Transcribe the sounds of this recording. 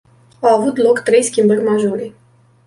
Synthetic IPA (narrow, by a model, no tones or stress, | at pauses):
awavut̪lo̞kt̪ɾe̞jskʲimbərʲmaʒo̞ɾe